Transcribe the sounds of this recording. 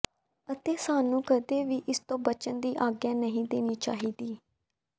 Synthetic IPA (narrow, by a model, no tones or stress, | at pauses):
ət̪eːsaːnũːkəd̪eːʋiːʔɪst̪õːbət͡ʃənd̪iːʔaːɡjãːnəɦĩːd̪eːniːt͡ʃaːɦiːd̪iː